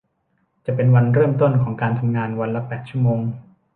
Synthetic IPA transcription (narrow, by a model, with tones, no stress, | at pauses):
t͡ɕa˨˩pe˧nwa˧nɾɤː˥˩mt̪o˥˩nkʰɔː˩˦ŋkaː˧nt̪ʰa˧mŋaː˧nwa˧nla˦˥pɛː˨˩t̪̚t͡ɕu˥˩əmoː˧ŋ